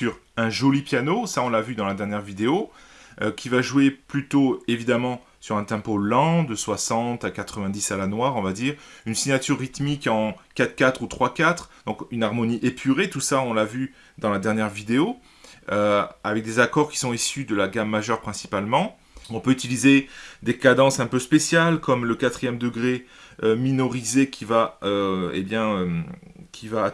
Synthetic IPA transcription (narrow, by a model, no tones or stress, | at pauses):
syʁɛ̃ʒɔlipjanosaɔ̃lavyd̪ɑ̃lad̪ɛʁnjɛʁvid̪eoøkʲʰivaʒueplyt̪oevid̪amɑ̃ | syʁɛ̃t̪ɛ̃polɑ̃d̪əswasɑ̃t̪akat̪χəvɛ̃d̪isalanwaʁɔ̃vad̪iːʁynsiɲat̪yʁːit̪mikɑ̃kat̪kʲat̪χut̪χwakʲat̪χd̪ɔ̃kynaʁmɔniʔepʰyʁet̪usaɔ̃lavy | d̪ɑ̃lad̪ɛʁnjɛʁvid̪eo | øavɛk̚d̪ezakɔʁkʲi̥sɔ̃isyd̪əlaɡamːaʒœʁpχɛ̃si̥palmɑ̃ | ɔ̃pøyt̪ilized̪ekad̪ɑ̃sɛ̃pøspesjalkɔmləkat̪χijɛmd̪əɡʁe | øminɔʁizekʲʰivaøḛbjɛ̃økʲʰiva